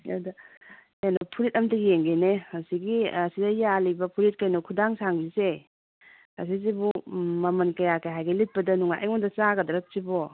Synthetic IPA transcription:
adɐ | anɔpʰuɾit̚ɐmtiɡijeŋɡeneasiɡiɐsidɐjalibɐpʰuɾit̚kajnɔkʰudaŋsaŋzise | a̰s̬izibumɐmɐnkɐjakajɦajɡɐlit̚pɐdɐnuŋa̰jʔa̰mɔndɐt͡ʃaɡɐdɐɾɐp̚sibɔ

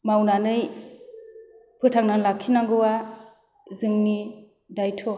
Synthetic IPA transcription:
mawnanɯj | pʰɯtʰaŋnaŋlakʰinaŋɡɯwa | zɯŋni | dajtʰɔ

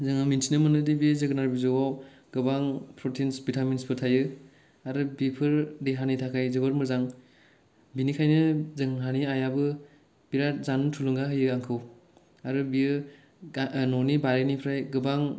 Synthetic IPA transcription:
zɯŋamintʰinɯmɯnɯdibizɯɡɯnaɾbizoɡaw | ɡɯbaŋpʰɾɔtʰinsbitʰaminspʰɯtʰajɯ | aɾɯbipʰɯɾdeɦanitʰakʰajzɯbɯɾmɯzaŋ | binikʰajnɯzɯŋɦaniajabɯ | b̥iɾazantʰulɯŋɡaɦɯjɯaŋkʰɯw | aɾɯbiɯ | nɔnibaɾenipʰɾajɡɯbaŋ

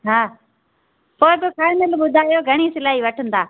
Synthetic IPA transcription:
ɦaː | poːɪbɪkʰaːɪ̃nɪlɓʊd̪ʱaːjoːɡʱɐɽ̃iːsɪlaːɦiʋɐʈʰənd̪aː

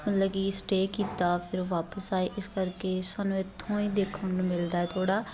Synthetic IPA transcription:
mət̪ləɡiːsʈeːkiːt̪aːpʰɪɾʋaːpəsaːeːʔɪskəɾkeːsaːnũːɪt̪ʰːõːĩːd̪eːkʰːəɳːmɪld̪aːɛːt̪ʰoːɽaː

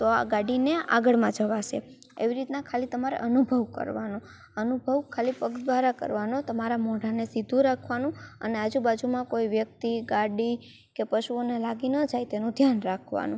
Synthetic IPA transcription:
t̪oa̰ɡaɽinea̰ɡəɭmãd͡ʒəʋaʃe | ḛʋiɾit̪nakʰalit̪əmaɾḛʔənubʱəʋkə̰ɾʋano | ənubʱəʋkʰalipəɡd̪ʋaɾakə̰ɾʋanot̪əmaɾamɔ̃ɖ̤ʱanesid̪ʱũɾakʰʋanũə̰nead͡ʒubad͡ʒumãkoiʋjək̚t̪iɡaɽi | kepəʃuonelaɡinəd͡ʒajt̪enũd̪ʱjanɾakʰʋa̰nũ

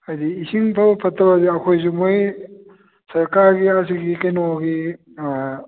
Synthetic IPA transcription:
ɐjdiːsiŋpʰɐbɐpʰɐtʰːɐbɐd̪iɐkʰojz̬umoj | sɐɾkaɾɡias̬iɡikɐjnoɡi

